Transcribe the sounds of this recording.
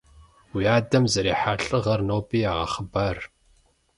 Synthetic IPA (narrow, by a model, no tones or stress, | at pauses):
wijaːdɐmzɐɾeːħaːɬʼɨʁɐrnoːpʼiːaːʁɐ̰χəbaːr